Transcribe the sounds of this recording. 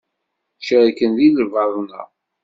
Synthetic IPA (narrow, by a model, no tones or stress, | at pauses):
ʃiʁikənðiðəvɑðˤnə̰